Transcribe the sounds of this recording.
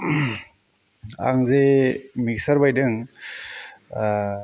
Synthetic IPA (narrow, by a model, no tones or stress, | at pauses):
a̰ŋzemik̚saɾbajdɯŋ